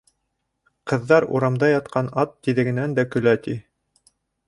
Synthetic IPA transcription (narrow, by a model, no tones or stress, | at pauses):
qɤ̆ðːɑɾṵɾɑmd̪ɑjɑt̪̚qʰɑnɑt̪ːiðɘ̆ɡɘ̆nænd̪ækɵ̆læt̪i